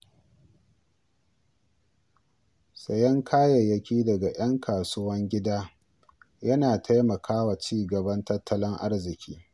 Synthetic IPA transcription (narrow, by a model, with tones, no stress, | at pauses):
sɐ˨jɐ˦ŋkʰaː˦jɐ˨jːɐ˦kʲiː˦dɐ˨ɡa˨j̰ɐ˦ŋkʰaː˨suː˦wɐ˦ŋɡʲɪ˦daː˦ | jɐ˦naː˨tʰa˦jmɐ˨kʰaː˦wa˨t͡ʃiː˦ɡɐ˨bɐ˦ntɐ˦tʰːɐ˦lɪ˦ŋʔa˦rzɪ˨kʲʰiː˦